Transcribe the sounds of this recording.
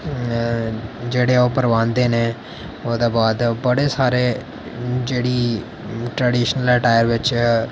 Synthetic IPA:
d͡ʒeːɽeːoːpəɾʋãːnd̪eːneː | oːd̪eːbaːd̪bəɽeːsaːɾeː | d͡ʒeːɽiː | ʈɾeːɖiːʃnəlɛːʈaːjəɾʋɪt͡ʃ

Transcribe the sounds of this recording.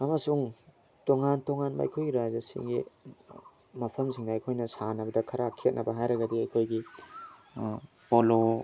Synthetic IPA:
ɐmɐsuŋ | toŋantoŋanbɐ̰ɐ̰jkʰojɡiɾazɐsḭŋɡḭ | mɐpʰɐmsiŋdɐːjkʰojnɐsanɐbɐdɐkʰɐɾakʰiet̚nɐbɐɦajɾɐɡɐdiɐjkʰojɡi | polo

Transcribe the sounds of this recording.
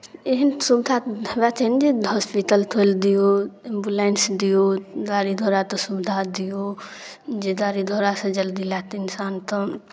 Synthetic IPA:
eɦinsubd̪ʱabat̪ʰɦnd͡ʒeɦɔspiʈəlt̪ʰold̪ijoembulensd̪ijod̪aːɾid̪ʱoːɾat̪ɔsubd̪ʱad̪ijo | d͡ʒed̪aːɾid̪ʱoːɾasɐ̃d͡ʒəld̪ilat̪ɪnsaːnt̪ə

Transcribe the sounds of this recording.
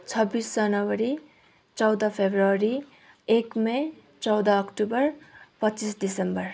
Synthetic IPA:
t͡sʰʌbːisd͡zʌnʌwʌɾi | t͡sʌwd̪ʌpʰebrʌɾi | ekme | t͡sʌwd̪ʌːkʈubʌrpʌt͡sisdisembʌr

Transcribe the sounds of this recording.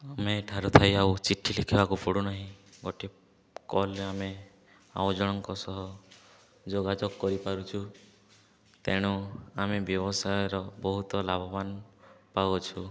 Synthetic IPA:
ameʈʰaɾut̪ʰajawt͡ʃiʈʰilikʰibakupʰuɽunaɦĩɡoʈʰi | kɔlame | a̰wd͡ʒɔɽ̃ɔŋkɔsɔɦɔ | d͡ʒoɡad͡ʒɔɡkːɔɾipaɾut͡ʃʰu | t̪eɽ̃uamebjɔbɔsajɔɾɔbɔɦut̪ɔlabʱɔbanpawɔt͡ʃʰu

